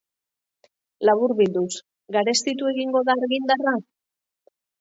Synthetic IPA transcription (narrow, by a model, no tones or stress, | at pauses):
laβuɾβild̪us | ɡaɾe̞st̪it̪ue̞ɣiŋɡo̞ðaːɾɣind̪ara